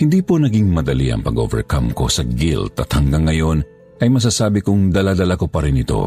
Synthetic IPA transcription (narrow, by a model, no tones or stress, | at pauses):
hɪnd̪iːponɐɡiŋmɐd̪ɐliʔɐ̰ŋpɐɡo̞ːvɛ̰ɹkɐmko̞̰sɐɡḭlt̪ɐt̪hɐŋɡɐŋːɐjo̞n | ʔɐjmɐs̬aːsaːbɪkʊŋd̪ɐlad̪ɐlakopɐɾɪnɪt̪o̞̰